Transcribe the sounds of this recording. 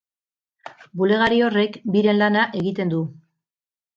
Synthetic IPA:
bule̞ɣ̞aɾio̞re̞kbiɾe̞nlanaʔe̞ɣit̪e̞nd̪u

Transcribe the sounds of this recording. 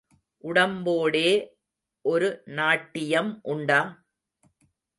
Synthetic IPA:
ʔʊɽɐmboːɽeː | ʔɔɾɯnaːʈːɪjɐmʔʊɳɖaː

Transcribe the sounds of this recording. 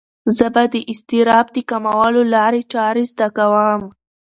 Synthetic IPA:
zəbad̪əʔɪst̪iɾɑb̚d̪əkamawɑlolɑɾet͡ʃɑɾezd̪akawəm

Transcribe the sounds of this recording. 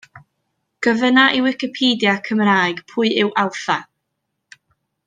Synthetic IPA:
ɡ̥əvənaʔɪwɪkɪpʰiːdjakʰəmraːjɡ̥pʰʊːɨɪwʔawθa

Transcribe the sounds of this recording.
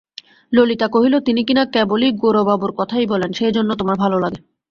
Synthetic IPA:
lolit̪akoɦilot̪inikinakɛboliɡoɾobaboɾkɔt̪ʰajbɔlenʃed͡ʑonːot̪omaɾbʱalolaɡe

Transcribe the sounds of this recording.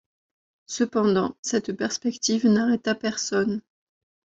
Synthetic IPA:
səpɑ̃d̪ɑ̃sɛt̪pɛʁspɛkt̪ivnaʁɛt̪apɛʁsɔn

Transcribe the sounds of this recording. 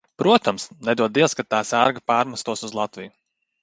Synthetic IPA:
pɾuɔt̪amsnɛd̪uɔd̪iɛskat̪t̪ːaːsæɾɡapaːɾmast̪uɔsuzlˠat̪viju

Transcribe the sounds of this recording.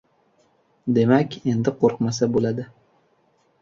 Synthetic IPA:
d̪e̞makʲe̞nd̪ɪqʰoɾqmasabolad̪ɪ

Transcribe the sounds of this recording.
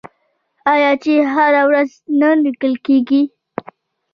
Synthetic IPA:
ɑjɑt͡ʃeɦaɾawɾaz | nanlikəlkeɡi

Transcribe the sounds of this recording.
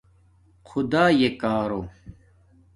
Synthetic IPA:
qʰud̪aːjekaːɾo

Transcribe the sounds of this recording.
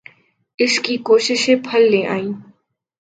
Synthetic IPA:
ɪʃkiːkoːʃɪʃẽːpʰəlːẽːʔa̰ːĩː

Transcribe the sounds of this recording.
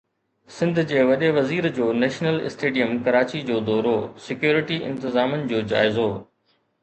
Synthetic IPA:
sɪ̃nd̪ʱd͡ʑeːʋɐɗeʋɐziːɾd͡ʑoːnɛːʃnəlɪ̰sʈeːɖijəmkɐɾaːt͡ɕid͡ʑoːd̪ɔːɾosɪkjoːɾɪʈiɪ̃nt̪ɪzaːmənɪ̆d͡ʑoːd͡ʑa̰ːɪzo

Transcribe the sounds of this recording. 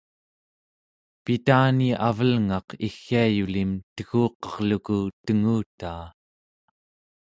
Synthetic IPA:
pit̪aːniavəlŋɑqʰixːiajulimt̪əɣuːqʌʁlukut̪əŋuːt̪aː

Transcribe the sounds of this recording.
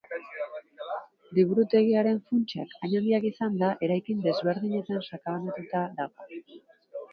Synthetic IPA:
d̪iβuɾut̪e̞ɣiaɾe̞ɱfunt͡ʃa̰kaɲaliakisand̪aʔe̞ɾajkind̪e̞zβe̞ɾðiɲe̞t̪ansakaanat̪ut̪aðaɣo

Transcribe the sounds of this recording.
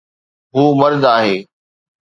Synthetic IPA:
ɦuːmɐɾd̪aːɦeː

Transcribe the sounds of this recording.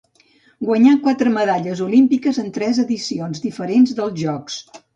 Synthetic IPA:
ɡwəɲakwat̪ɾəməðaʎəzulimpikəzənt̪ɾɛzəðisionzðifəɾenzðəlˠzʒɔks

